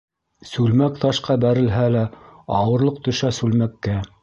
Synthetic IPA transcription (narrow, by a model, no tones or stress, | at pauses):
sʉlmækt̪ɑʃqɑbæɾɘ̆lɦælæɑwɤ̆ɾlˠɤq̚t̪ɵ̆ʃæsʉlmækːæ